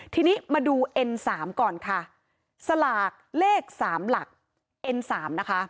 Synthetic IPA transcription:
t̪ʰiː˧niː˦˥maː˧duː˧ʔe˧nsaː˩˦mkɔː˨˩nkʰa˥˩ | sa˧laː˨˩k̚leː˥˩k̚saː˩˦mla˨˩k̚ | ʔe˧nsaː˩˦mna˦˥kʰa˦˥ʔ

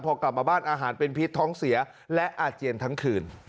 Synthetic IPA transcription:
pʰɔː˧kla˨˩p̚maː˧baː˥˩nʔaː˧ɦaː˩˦npe˧npʰi˦˥t̪ʰːɔː˦˥ŋsi˩˦ɐ | lɛ˦˥ʔaː˧˩t̪̚t͡ɕi˧ənt̪ʰa˦˥ŋkʰɯː˧n

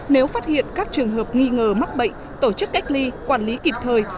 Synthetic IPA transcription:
ne˨˦wfaː˦˥t̚hḭ˧˨ənkaː˦˥k̚t͡ɕɨ˨˩əŋɦəː˨˩p̚ŋi˧ŋəː˨˩ma˦˥t̚ɓə̰˧˨jŋ̟ | t̪o˧˩t͡ɕɨ˦˥kːa˦˥jk̟̚li˧kwaː˧˩nli˨˦ki˨˩p̚t̪ʰəː˨˩j

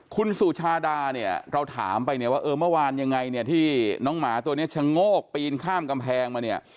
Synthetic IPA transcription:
kʰu˧nsuː˨˩t͡ɕʰaː˧daː˧ni˥˩ɐɾa˧wt̪ʰa̰ː˩˦mpa˧jni˥˩waː˥˩ʔɤː˧mɯ˥˩ɐ˨waː˧nja˧ŋːa˧jni˥˩ɐt̪ʰiː˥˩nɔː˦˥ŋmaː˩˦t̪u˧əni˦˥ɐt͡ɕʰa˧ŋoː˥˩k̚piː˧i˧nkʰaː˥˩mka˧mpʰɛː˧ŋmaː˧ni˥˩ɐ

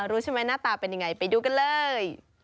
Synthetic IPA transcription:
ɾuː˦t͡ɕʰa˥˩ma˦˥jnaː˥˩t̪aː˧pe˧nja˧ŋːa˧jpa˧jduː˧˩ka˧nlɤː˧j

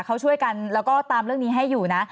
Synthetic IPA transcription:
kʰa˦˥wt͡ɕʰu˥˩əjka˧nlɛː˦˥wkɔː˥˩t̪aː˧mɾɯ˥˩əŋniː˦˥ɦa˥˩jːuː˨˩na˦˥

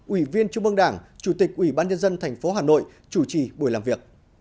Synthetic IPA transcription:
ʔwi˧˩vi˧ənt͡ɕʊ˧ŋ͡mʔə˧ŋɗaː˧˩ŋt͡ɕu˧˩t̪ï˨˩k̟̚ʔwi˧˩ɓaː˧nɲə˧nzə˧nt̪ʰɛ˨˩jŋ̟fo˨˦ɦaː˨˩no̰˧˨j | t͡ɕu˧˩t͡ɕi˨˩ɓu˧˩jlaː˨˩mvi˨˩ək̚

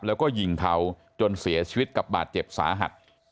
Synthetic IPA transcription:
p̚lɛː˦˥wkɔː˥˩ji˨˩ŋt̪ʰa˧w | t͡ɕo˧nsi˩˦ɐt͡ɕʰiː˧wi˦˥t̪̚ka˨˩p̚ba̰ː˨˩t̪̚t͡ɕe˨˩p̚sa̰ː˩˦ɦa̰˨˩t̪̚

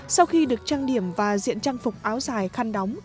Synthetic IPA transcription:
sa˧wxi˧ɗɨ˨˩ək̚t͡ɕaː˧ŋɗi˧˩əmvaː˨˩zḭ˧˨ənt͡ɕaː˧ŋfʊ˨˩k͡p̚ʔaː˨˦wzaː˨˩jxaː˧nɗɔ˨˦wŋ͡m

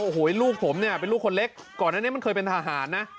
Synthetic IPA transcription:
ʔoː˧˩ɦoː˩˦e˦luː˥˩k̚pʰo˩˦mni˥˩ɐpe˧nluː˥˩kʰo˧le˦˥k̚ːɔː˨˩nːaː˥˩ni˦˥˩ma˥˩nkʰɤː˧pe˧nt̪ʰaː˧ɦaː˩˦nːa˦˥ʔ

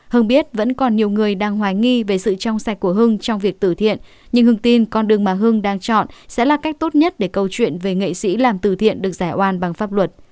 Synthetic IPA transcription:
hɨ˧ŋɓi˦˥ət̚və̰˧˥nkɔ˨˩nɲi˨˩əwŋɨ˨˩əjɗaː˧ŋɦwaː˧˩jŋi˧ve˨˩sɨ̰˧˨t͡ɕɔ˧wŋ͡msa˧˩j̚ku˧˩əɦɨ˧ŋt͡ɕɔ˧wŋ͡mvi˨˩ək̚t̪ɨ̰˧˩t̪ʰḭ˧˨ən | ɲɨ˧ŋhɨ˧ŋt̪i˧nkɔ˧nɗɨ˨˩əŋmaː˨˩ɦɨ˧ŋɗaː˧ŋt͡ɕɔ̰˧˨nsɛ̰˧˥laː˨˩ka˦˥jk̟̚t̪o˦˥t̚ɲə˦˥t̚ɗe˧˩kə˧wt͡ɕwḭ˧˨ənve˨˩ŋḛ˧˨sḭ˧˥laː˨˩mt̪ɨ˧˩t̪ʰḭ˧˨ənɗɨ˨˩ək̚zaː˧˩jʔwaː˧˩nɓa˨˩ŋfaː˦˥p̚lwə˨˩t̚

